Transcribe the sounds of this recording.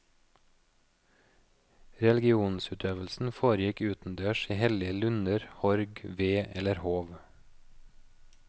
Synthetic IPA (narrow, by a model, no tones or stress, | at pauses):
ɾɛlɪɡɪuːnsʉːt̪ʰøːʋəlsn̩foːɾjɪkʉːt̪n̩d̪øːʃiːhɛlɪəlʉnəɾhɔɾɡʋeːʔɛləɾhoːʋ